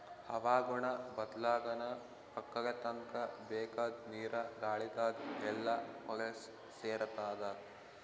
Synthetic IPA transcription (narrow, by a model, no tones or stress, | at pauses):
hɐʋaːɡuɳɐbɐd̪laːɡɐnɐ | pɐkːɐlɐt̪ɐŋkɐbeːkaːd̪̚niːɾɐɡaːɭit̪aːd̪ɛlːɐmɔɡɐs | seːɾɐt̪aːd̪ɐ